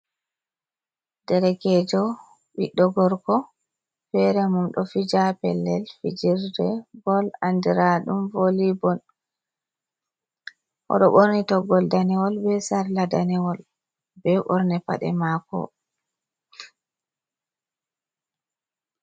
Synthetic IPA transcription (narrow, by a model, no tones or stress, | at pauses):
dɛɾɛkɛd͡ʒɔ | ɓiɗɔɡɔɾkɔ | fɛɾɛmumɗɔfid͡ʒapɛlːɛlfid͡ʒiɾdɛbɔlandiɾaɗumvolibɔn | ʔɔ̰ɗɔɓoɾnɛtɔɡɔldanɛwɔlbɛsaɾladanɛwɔl | bɛɓɔɾnɛpa̰ɗɛ̰makɔ̰